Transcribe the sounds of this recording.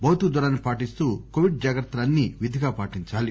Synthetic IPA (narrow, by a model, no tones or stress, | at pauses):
bɐwt̪ud̪ɐɾaːnːipaːʈist̪uːkoʋiɖ̚d͡ʒaːɡɐɾt̪ːɐlɐnːiːʋid̪ʱiɡaːpaːʈiɲt͡ʃaːli